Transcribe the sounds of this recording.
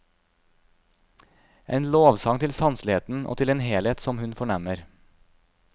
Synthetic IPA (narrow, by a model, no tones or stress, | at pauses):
ʔeːnloːʋsɑŋt̪ʰɪlsɑnslɪheːt̪n̩ʔo̰ːt̪ʰɪleːnheːleːt̪sɔmhʉnfɔɳæməɾ